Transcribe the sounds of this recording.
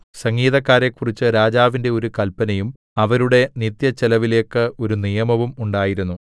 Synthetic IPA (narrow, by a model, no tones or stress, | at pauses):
sɐŋɡiːðɐkːaːɾe̞kːurit͡ɕːɨɾaːd͡ʑaːʋinde̞o̞ɾukɐlpːɐnɐjum | ɐʋɐɾuɽe̞nit̪jɐt͡ɕelɐʋile̞ːkːɨo̞ɾunijɐmɐʋumuɳɖaːjiɾunːu